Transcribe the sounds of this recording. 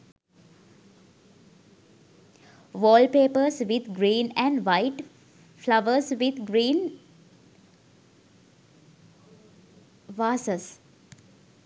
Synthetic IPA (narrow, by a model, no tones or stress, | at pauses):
ʋɔːlpeːpəɾsʋɪd̪ɡɾĩːnæ̃ɳɖʋaɪʈ | flaʋəɾsʋɪd̪ɡɾĩːn | ʋaːsəs